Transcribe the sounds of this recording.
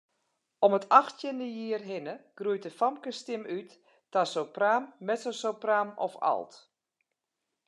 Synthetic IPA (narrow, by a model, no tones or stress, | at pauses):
ɔmətʰaxtjəndəjiərɦɪnəɡ̥rujt̚əfamkəstɪmytː | asopraːmːɛtsosopraːmɔfa̰lˠt